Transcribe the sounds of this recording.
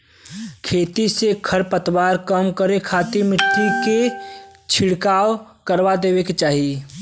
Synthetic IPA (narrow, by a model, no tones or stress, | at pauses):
kʰeːt̪isekʰəɾpət̪ʰwaɾkəmkəɾekʰat̪imɪt̪ɾiket͡ʃʰɪɽkaːw | kəɾbad̪eːbeket͡ʃaːɦi